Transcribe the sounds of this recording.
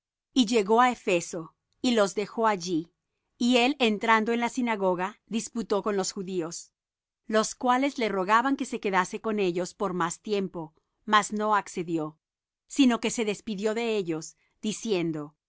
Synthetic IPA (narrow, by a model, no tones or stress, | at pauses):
iʝe̞ɣo̞aefe̞so̞ | ilo̞zðe̞xo̞aʝi | ie̞lent̪ɾand̪o̞enlasinaɣo̞ɣaðisput̪o̞ko̞nlo̞sxuðio̞s | lo̞skwale̞zle̞ro̞ɣaβaŋke̞se̞ke̞ðase̞ko̞ne̞ʝo̞spo̞ɾmast̪je̞mpo̞ | mazno̞akse̞ðjo̞ | sino̞ke̞seðe̞spiðjo̞ðe̞eʝo̞s | d̪̥isje̞nd̪o̞